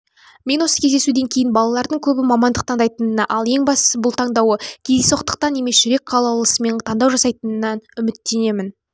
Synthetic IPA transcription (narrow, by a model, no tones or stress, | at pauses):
me̞nwo̞sə̥kʲʰezd̪e̞sud̪e̞ŋkʲʰe̞jɪnbɑlˠɑlˠɑɾd̪əɴkʲʰɵbɪmɑmɑnd̪əq̚t̪ʰɑɴd̪ɑjt̪ənənəʔɑlˠje̞ŋbɑst̪ə̥səbʊlˠt̪ʰɑɴd̪ɑwəkʲʰed̪esoqt̪ə̥q̚t̪ɑnːemesʒʏɾe̞k̚qʰɑlˠɑwlˠəsəme̞nt̪ʰɑnd̪ɑwʒɑsɑjt̪ənənɑnʏmɪt̪ːe̞ne̞mɪn